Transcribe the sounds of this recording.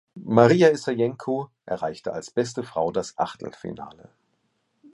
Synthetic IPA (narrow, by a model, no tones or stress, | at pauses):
maʁiːaɛsajɛŋkʰoʔɛɐʁaɪçtəalsb̥ɛstəfʁ̥aʊdasʔa̰χtl̩fḭna̰ːlə̰